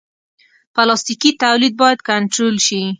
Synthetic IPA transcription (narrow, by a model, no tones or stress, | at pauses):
palɑst̪ikit̪awlid̪̚bɑjad̪̚kaɳʈɾolʃi